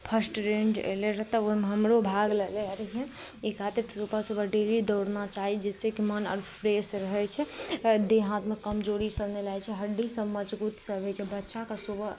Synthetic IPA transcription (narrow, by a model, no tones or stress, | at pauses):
pʰəsʈɾẽnd͡ʒḛleɾət̪əoɦmeɦəmɾobʱaɡleleɾkʰẽikʰat̪əɾt̪ʰɾupasubəɖelid̪əwɽnat͡ʃaɦid͡ʒesekimənə̰ɾpʰɾesɾəɦɛt͡ʃʰɛd̪eɦãt̪mekəmd͡ʒoɾisəɾnelat͡ʃʰɛɦəɖːisəbməd͡ʒbut̪səbʱɛt͡ʃʰɛbətːʃakasobə